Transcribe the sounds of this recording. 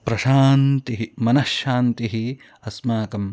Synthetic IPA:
pɾɐʃaːnt̪iɦimɐnɐʃjaːnt̪iɦi | ɐsmaːkɐm

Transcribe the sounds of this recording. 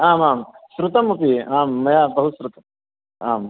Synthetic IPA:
aːmaːmsɾut̪ɐmupiaːmːɐjabɐɦusɾut̪ɐ | aːm

